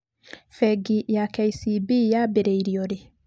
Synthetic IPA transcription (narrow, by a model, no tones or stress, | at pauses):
fɛɡijakɛjsibijabɛɾeiɾiɔɾi